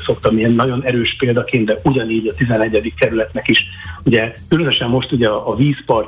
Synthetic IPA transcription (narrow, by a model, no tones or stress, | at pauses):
so̞kt̪ɒmiɛnːɒɟo̞nɛɾøːʃpeːld̪ɒkeːnt̪d̪ɛʔuɟɒniːɟɒt̪izɛnɛɟːɛd̪ikːɛɾylɛt̪nɛkiʃ | uɟɛkylønø̞ʃɛmːo̞ʃt̪uɟɛɒːviːspɒr